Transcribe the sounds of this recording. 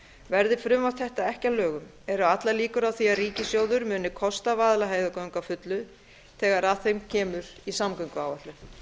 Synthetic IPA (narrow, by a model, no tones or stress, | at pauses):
vɛɾðɪfɾʏmvawt̪θɛht̪aɛhcalœːɣʏm | ɛɾʏat̪laliːkʏɾawθiaðriːcɪsjoːwðʏɾmʏːnɪkʰɔst̪avaːðlaɦeːjðʏkawŋkafʏt̪lʏ | t̪ʰɛːɣaɾaðθejmcʰɛːmʏɾisamkœɥŋkʏaːwvaht̪lʏ